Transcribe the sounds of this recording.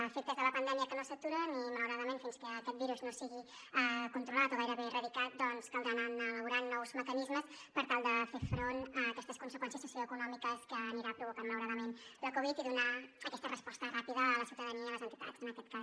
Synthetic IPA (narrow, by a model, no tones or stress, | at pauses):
fek̚t̪əzðələpənd̪ɛmiəkənosət̪uɾənimələwɾaðəmenfinskəːkɛt̪̚biɾuznosiɣi | əkunt̪ɾulat̪oɣajɾəβerəðikat̪̚d̪ɔnskəald̪ənanələβuɾanːɔwzməkənizməspəɾt̪alˠd̪əfefɾonəːkɛst̪əskunsəkwɛnsiəsːusioəkunɔmikəskəːniɾapɾuβukanmələwɾaðəmenlakoβit̪iðunaəkɛst̪ərəspɔst̪ərapiðəːləsiwt̪əðəniəiləzənt̪i̥t̪a̰zənəkɛt̪̚kas